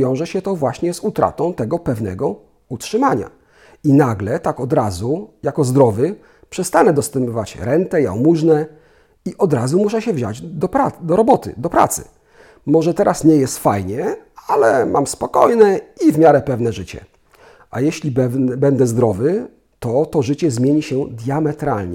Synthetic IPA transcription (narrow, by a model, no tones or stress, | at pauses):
jɔ̃w̃ʐɛɕɛt̪ɔvwaɕɲɛzut̪ɾa̰t̪ɔ̃w̃t̪ɛɡɔpɛvnɛ̰ɡɔ | utʂɘmaɲa̰ | inaɡlɛt̪akɔd̪ɾazujakɔzd̪ɾɔvɘ | pʂɛst̪anɛd̪ɔst̪ɛmpɔvat͡ɕɾɛnt̪ɛja̰wmuʐnɛ | iʔɔd̪ɾazumuʂɛɕɛvʑa̰d͡ʑd̪ɔpɾad̪ɔɾɔbɔt̪ɘ̰d̪ɔpɾa̰t̪sɘ̰ | mɔʐɛt̪ɛɾʔasɲɛjɛst̪fajɲɛalɛmʔamspɔkɔjnɛivmʲjaɾɛpɛvnɛʐɘt͡ɕɛ̰ | ʔajɛɕlʲibɛnd̪ɛzd̪ɾɔvɘ | t̪ɔt̪ɔʐɘt͡ɕɛzmʲjeɲiɕɛd̪ʲjamɛt̪ɾa̰lɲɛ̰